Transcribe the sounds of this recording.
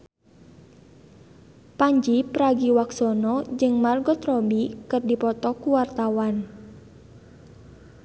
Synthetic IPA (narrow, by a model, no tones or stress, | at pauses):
paɲd͡ʒipɾaɡiwaksɔnɔd͡ʒɨŋmarɡɔt̪rɔbikɨrdipɔt̪ɔkuwart̪awan